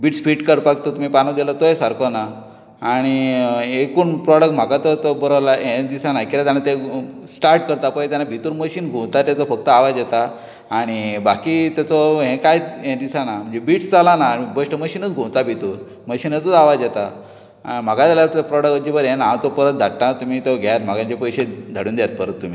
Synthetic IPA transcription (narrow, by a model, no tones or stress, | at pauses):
biːʈsfiːʈkəɾpak̚t̪ɔt̪um̤ipanod̪ɛlat̪oesaɾkɔna | aːɽ̃iekuːnpɾɔɽəkʈm̤akat̪ɔt̪obəɾəʋlaɦẽd̪isanakiɾat̪janat̪ẽ | sʈaɾʈ̚kəɾt̪apəjt̪janːabʱit̪uːɾməɕiːnɡʱõt̪at̪jat͡sɔfək̚t̪əaʋad͡zjɛt̪aː | ɽ̃ibakit̪jat͡sɔɦẽkajɦẽd̪isanam̤ənd͡zebiːʈsd͡zalanaːɽ̃ibəʂʈəməɕiːnət͡sɡʱõt̪abʱit̪uːɾ | məɕiːnət͡sət͡saʋad͡zjɛt̪a | a̰im̤aɡãt̪aljaɾt̪uapɾɔɽəkəd͡ʑibəɾɦẽnaãt̪ɔpəɾət̪̚d̪ʱaʈːãt̪um̤iːt̪oɡʱaat̪m̤aɡãɲt͡ɕepəjɕed̪ʱaɽuːnd̪jat̪̚pəɾət̪ːum̤iː